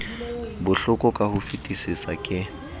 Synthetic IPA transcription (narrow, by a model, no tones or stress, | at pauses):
bʊɬʊkʼɔkʼahʊfitʼisisakʼɪ